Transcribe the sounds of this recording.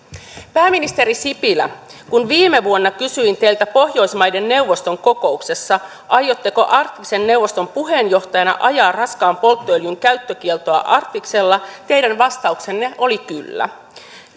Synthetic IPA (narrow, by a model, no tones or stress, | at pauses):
pæːmːinist̪e̞ɾisipilæ̰kunʋiːmeʋuonːɑkysyint̪e̞jlt̪æpo̞hjo̞jsmɑjde̞nːe̞wʋːo̞st̪o̞ŋko̞ko̞ukse̞sːɑ | ʔɑjo̞t̪ːeko̞ʔɑrt̪ːikse̞nːe̞wʋːo̞st̪o̞mpuɦe̞ːnjo̞ht̪ɑjɑnɑ̰ʔɑjɑːrɑskɑːmpo̞lt̪ːoeljuŋkæyt̪ːøkielt̪o̞ɑ̰ʔɑrt̪ːikse̞lːɑt̪e̞jdænʋɑst̪ɑukse̞nːeʔo̞likylːæ̰